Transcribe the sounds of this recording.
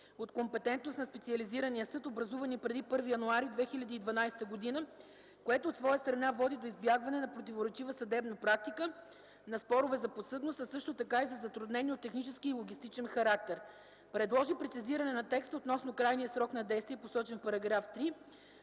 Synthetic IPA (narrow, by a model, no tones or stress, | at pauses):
ot̪kompɛt̪ɛnt̪nosnɐspɛt̪siɐliziɾɐniəsɤt̪obɾɐzuvənipɾɛd̪ipɤɾvijɐnuaɾid̪vɛxilʲɐd̪iːd̪vɐnajst̪əɡod̪inə | koɛt̪oːt̪svɔjəst̪ɾɐnavɔd̪id̪oizbjaɡvɐnɛnɐpɾot̪ʲivoɾɛt͡ʃivəsɐd̪ɛbnɐpɾak̚t̪ikə | nɐspɔɾovɛzɐposɤd̪nost̪ɐsɤʃt̪ot̪ɐkaizɐzɐt̪ɾud̪nɛniot̪ːɛxnit͡ʃɛskiːlˠoɡʲist̪it͡ʃɛnxɐɾak̚t̪ɛɾ | pɾɛd̪lˠɔʒipɾɛt̪siziɾɐnɛnɐt̪ɛkst̪əot̪nɔsnʊkɾajnijəsɾɔknɐd̪ɛjst̪viɛposɔt͡ʃɛnfpɐɾɐɡɾaft̪ɾi